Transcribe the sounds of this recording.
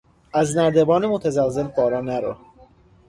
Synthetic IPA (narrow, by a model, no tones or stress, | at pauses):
æznæɾd̪ebɒːnemot̪ʰæzælzelbɒːɾɒːnæɾo